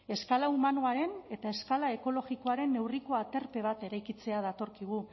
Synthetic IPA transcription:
e̞skalaumanoaɾe̞ne̞t̪ae̞skalae̞ko̞lo̞ɣiko̞aɾe̞nːe̞wriko̞at̪e̞ɾpe̞β̞at̪e̞ɾajkit͡se̞að̞at̪o̞ɾkiɣ̞u

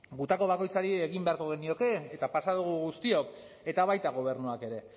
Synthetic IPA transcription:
ɡut̪ako̞βako̞jt͡saɾie̞ɣimbe̞aɾko̞ɣ̞e̞nio̞ke̞ːt̪apasaðuɣ̞uɣust̪io̞k | e̞t̪aβajt̪aɣ̞o̞β̞e̞ɾnuake̞ɾe̞

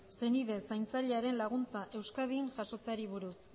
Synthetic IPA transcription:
se̞niðe̞sajnt͡saʎe̞aɾe̞nlaɣ̞unt͡saʔe̞wskaðiŋʝaso̞t͡saɾiβuɾus

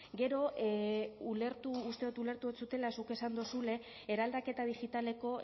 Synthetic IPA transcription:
ɡe̞ɾo̞ | ule̞ɾt̪uːst̪e̞ðot̪ule̞ɾt̪uet͡sut̪e̞lasuke̞sand̪osule̞ː | ɾald̪ake̞t̪aðiɣit̪ale̞ko̞

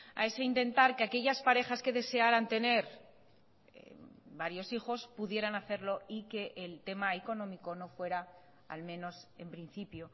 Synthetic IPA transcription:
a̰e̞seint̪ẽ̞nt̪aɾkeake̞ʝaspaɾe̞xaske̞ðe̞se̞aɾant̪e̞ne̞ɾ | baɾjo̞sixo̞spuðjeɾanaθe̞ɾlo̞ike̞ʔːlt̪e̞maeko̞nõ̞miko̞no̞fwe̞ɾa | a̰lmẽ̞no̞se̞mpɾin̟θipjo̞

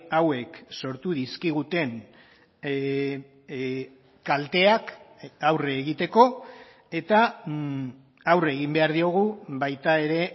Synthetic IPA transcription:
awe̞kso̞ɾt̪uðiskiɣ̞ut̪e̞n | kalt̪e̞akawrːɣit̪e̞ko̞ | e̞t̪a | awre̞ɣimbe̞aɾðio̞ɣ̞uβajt̪ae̞ɾe̞

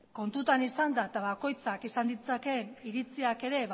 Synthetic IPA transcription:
ko̞nt̪ut̪anisand̪aet̪aβako̞jt͡sakisand̪it͡sake̞niɾit͡siake̞ɾe̞β

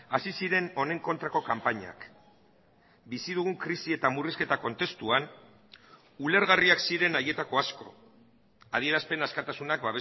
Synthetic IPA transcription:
asisiɾe̞no̞ne̞ŋko̞nt̪ɾako̞kampaɲa̰k | bisið̞uɣ̞uŋkɾisie̞t̪amuriske̞t̪ako̞nt̪e̞st̪uan | ule̞ɾɣariaksiɾe̞naje̞t̪ako̞asko̞ | að̞ie̞ɾaspe̞naskat̪asunakbaβe

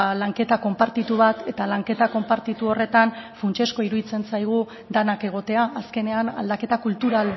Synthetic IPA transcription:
laŋke̞t̪ako̞mpaɾt̪it̪uβat̪e̞t̪alaŋke̞t̪ako̞mpaɾt̪it̪uo̞re̞t̪anfunt͡ʃe̞sko̞iɾuðit͡se̞nsajɣ̞u | d̪anake̞ɣ̞o̞t̪e̞aʔːske̞ne̞ana̰ld̪ake̞t̪akult̪uɾal

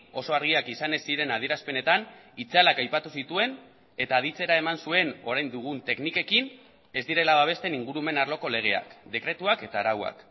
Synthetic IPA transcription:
o̞so̞aɾɣ̞iakisane̞siɾe̞naðie̞ɾaspe̞ne̞t̪anit͡salakajpat̪usit̪ue̞n | e̞t̪aːðit͡se̞ɾae̞mansue̞no̞ɾajnd̪uɣ̞unt̪e̞knike̞kin | e̞zd̪iɾe̞laβaβ̞e̞st̪e̞niŋɡuɾume̞narlo̞ko̞le̞ɣ̞e̞a̰kd̪e̞kɾe̞t̪uake̞t̪aɾawa̰k

